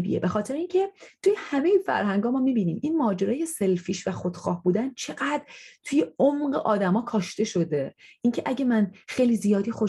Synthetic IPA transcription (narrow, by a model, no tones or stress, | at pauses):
bḭjḛbe̞xɒːt̪ʰe̞ɾeincʰe̞t̪ʰujehæmejefæ̰ɾhæŋɡɒːmɒːmiːbiːniːminmɒːd͡ʒe̞ɾɒːje̞se̞lfiːʃvæxod̪̥xɒ̰ːhbuːd̪ænt͡ʃʰe̞ɢæd̪̥ɾt̪ʰuje̞omɢḛʔɒːd̪æmɒːkʰɒːʃt̪e̞ʃo̞d̪e̞ʔincʰe̞ʔæɟe̞mænxejlizijɒːd̪ixo